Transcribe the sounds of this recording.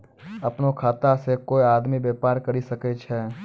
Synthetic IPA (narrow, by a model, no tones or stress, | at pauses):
ɐpnokʰaːt̪asekoːiaːd̪mibeːpaːɾkɐɾisɐket͡ʃʰɛː